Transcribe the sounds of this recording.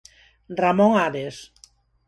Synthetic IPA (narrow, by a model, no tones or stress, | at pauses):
ramõŋaβes